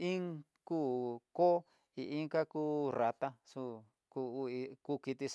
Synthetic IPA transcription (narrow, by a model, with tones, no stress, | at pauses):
ĩ˦ŋ | kuː˦˨ko˦ | i˧˨ʔi˦ŋka˦ku˦ɾa˧t̪a˦su˧ | ku˧i˧ku˦˧ki˧t̪i˧s